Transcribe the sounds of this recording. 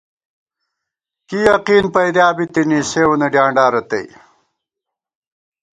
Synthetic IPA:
kijɐqiːnpɐjd̪jaːbit̪iniːseːwunɐɖjaːɳɖaːɾɐt̪ɐ̰j

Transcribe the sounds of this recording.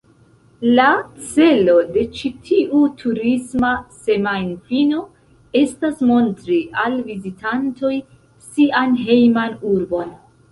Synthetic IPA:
lat͡se̞lo̞de̞t͡ʃitʰiʔutʰuɾismase̞majnfino̞ | e̞stasmo̞ntɾiʔalvizitʰanto̞j | sianɦe̞jmanuɾbo̞n

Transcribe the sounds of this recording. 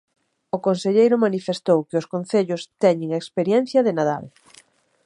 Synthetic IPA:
ʊkonseʎejɾʊmanifest̪owkɪʊskonθeʎʊst̪ɛɲɪŋaekspeɾjɛn̟θjɐðɪnaða̰l

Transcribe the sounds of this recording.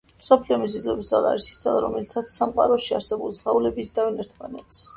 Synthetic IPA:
msɔpʰliɔmizid̪lˠɔbisd̪zalˠa̰ɾisi̥std̪za̰lˠaɾɔ̰mɛlit̪ʰat̪sʰsːamqʼaɾɔʃiaɾsɛbulsʁaulɛbisd̪avinɛɾt̪ʰmanɛt̪s

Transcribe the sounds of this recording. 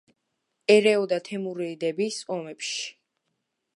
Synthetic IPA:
ɛɾɛɔd̪at̪ʰɛmuɾiːd̪ɛbisɔmɛpʃi̥

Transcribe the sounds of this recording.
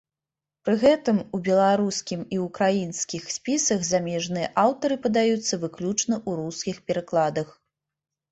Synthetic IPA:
pɾɨɣɛt̪ɨmubʲɛlˠaɾuskʲimiukɾajinskʲixsʲpʲisɐɣzamʲɛʐnɨjɐʔawt̪ɐɾɨpɐd̪ajut̪sːɐvɨklʲut͡ʂnɐʔuɾuskʲixpʲɛɾaklˠad̪ɐx

